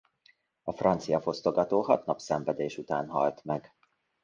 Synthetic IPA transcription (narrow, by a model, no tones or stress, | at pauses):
ɒfrɒnt̪sijɒfo̞st̪o̞ɡɒt̪oːɦɒt̪nɒpsɛɱvɛd̪eːʃut̪aːnɦɒ̰lt̪mɛɡ